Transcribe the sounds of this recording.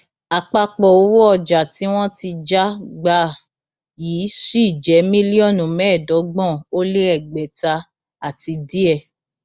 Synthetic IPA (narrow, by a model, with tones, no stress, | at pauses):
a˨k͡pa˧k͡pɔ˨o˨˦wo˦ɔ˦˧˨d͡ʒa˨ti˨˦w̃ɔ̃˦ti˧d͡ʒa˦ɡ͡ba˧˦ | jiː˨˦ʃi˦˨d͡ʒɛ˨˦mĩ˦li˦ɔ˦˨nũ˨mɛ̃˨˦˨dɔ˨˦ɡ͡bɔ̃˦˨o˦le˦ɛ˦˨ɡ͡bɛ˨ta˧ | a˨ti˧di˦ɛ˦˧˨